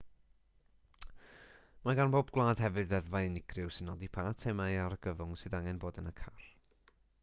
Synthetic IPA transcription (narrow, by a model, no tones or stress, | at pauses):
maɡanboːb̚ɡwlˠaːd̥ɦɛvɨdðɛðvajnɪɡ̥rɪʊwsɨnːɔdipʰaatʰɛmaiaɾəɡ̥əvʊŋsɨðaŋɛnboːdənakʰar̥